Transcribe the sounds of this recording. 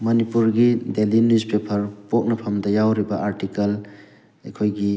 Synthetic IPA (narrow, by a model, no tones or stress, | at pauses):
mɐnipuɾɡidelinuzpepʰɐɾpok̚nɐpʰɐmdɐjawɾibɐʔaɾʈikɐl | ekʰojɡi